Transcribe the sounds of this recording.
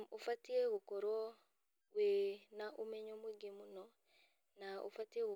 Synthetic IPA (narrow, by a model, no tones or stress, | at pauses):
ufatieɣukɔɾɔ | wenaʔumɛɲomweɡemunɔ | naʔṵfatieɣu